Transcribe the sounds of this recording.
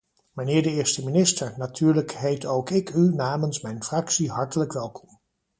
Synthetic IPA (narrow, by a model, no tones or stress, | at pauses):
mənɪːɹdəɪːɹstəminɪstəɹnatʰyːɹləkɦejtowkɪkynaːmənsmɛjnfrɑksiɦɑɹtələkʋɛlˠkʰɔ̥m